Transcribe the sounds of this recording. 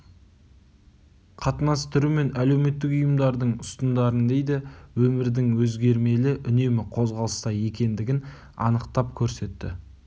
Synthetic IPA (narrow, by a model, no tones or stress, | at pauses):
qʰɑt̪ənɑst̪ʰʏɾume̞næle̞wme̞t̪ːɪkʊjəmd̪ɑɾd̪əɴʊst̪ənd̪ɑɾənd̪e̞jd̪ɪwɵmɪɾd̪ɪŋwɵzɡʲe̞ɾme̞lɪʔʏne̞mɪqʰo̞zʁɑlˠəst̪ɑje̞kʲe̞nd̪ɪɡʲɪn | ɑ̰nəqt̪ɑp̚kʲʰɵɾse̞t̪ːɪ̰